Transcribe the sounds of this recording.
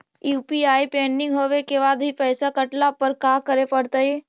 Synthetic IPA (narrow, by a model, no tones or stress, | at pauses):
juːpiaːipẽːɳɖɪ̃ŋɡɦoːʋekeβaːd̪ɦipɛːsakɐʈlapəɾkaːkəɾepɐɽt̪ae